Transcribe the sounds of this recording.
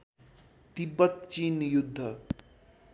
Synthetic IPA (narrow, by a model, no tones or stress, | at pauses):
t̪ibːʌt̪t͡ʃiːnjud̪ʱːʌ